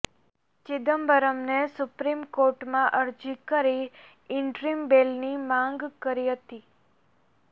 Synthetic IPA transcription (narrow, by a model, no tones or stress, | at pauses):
t͡ʃɪd̪əmbəɾəmnesʊpɾimkoɾʈmãʔəɾd͡ʒikəɾi | ɪɳʈɾimbelnimãŋɡkəɾiɦət̪i